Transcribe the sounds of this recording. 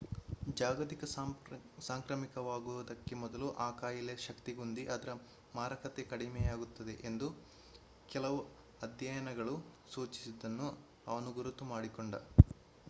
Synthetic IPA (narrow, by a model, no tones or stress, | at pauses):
d͡ʒaːɡɐt̪ikɐ | saːŋkɾɐmikɐʋaːɡuʋɐd̪ɐkːe̞mɔd̪ɐluʔaːkaːjɐleʃɐkt̪iɡund̪iʔɐd̪ɐɾɐ | maːɾɐkʰɐt̪ekɐɽimɛjaːɡut̪ːɐd̪e̞ʔend̪u | kɛlɐʋu | ɐd̪jɐjɐnɐɡɐɭusuːt͡ʃi̥sid̪ːɐnːu | ɐʋɐnuɡuɾut̪ːumaːɽikoɳɖɐ